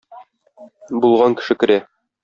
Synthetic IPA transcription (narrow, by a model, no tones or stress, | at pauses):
bulˠʁɑŋkɘ̥̆ʃɘkɘ̆ɾæ